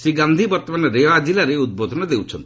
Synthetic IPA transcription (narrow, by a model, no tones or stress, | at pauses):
sɾiɡand̪ʱibɔɾt̪ɔmanɔɾeʋad͡ʒilaɾeud̪̚bod̪ʱɔnɔd̪ewt͡ʃʰɔnt̪i